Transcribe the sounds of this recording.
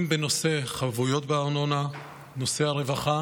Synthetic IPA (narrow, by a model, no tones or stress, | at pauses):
mbeno̞se̞χavujo̞t̪beaʁnona | no̞seaʁevaχa